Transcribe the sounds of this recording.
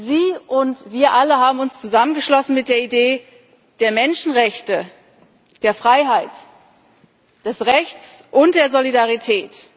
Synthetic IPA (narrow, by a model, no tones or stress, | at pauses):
ziːʔʊntv̥iːɐʔaləɦaːbm̩ʊnst͡suzamənɡəʃlɔsn̩mɪt̚d̥eːɐideː | d̥eːɐmɛnʃn̩ʁɛçtə | d̥eːɐfʁ̥aɪɦaɪt | d̥ɛsʁɛçt͡sʔʊnt̚d̥eːɐzolidaʁitʰɛːt